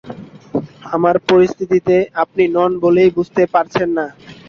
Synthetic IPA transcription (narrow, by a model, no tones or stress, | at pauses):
amaɾpoɾist̪ʰit̪it̪eap̚ninɔnbolejbud͡ʑʱt̪epaɾt͡ɕʰenːa